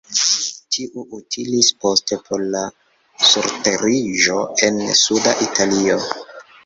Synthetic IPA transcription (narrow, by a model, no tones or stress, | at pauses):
tʰiʔuʔutʰilispo̞ste̞pʰo̞ɾla | suɾte̞ɾiʒo̞e̞nsudaʔitʰalio̞